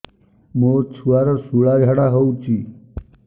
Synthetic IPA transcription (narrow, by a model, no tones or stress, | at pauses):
moːɾt͡ʃʰuaːɾasuɭaːd͡ʒʱaɽaɦout͡ʃi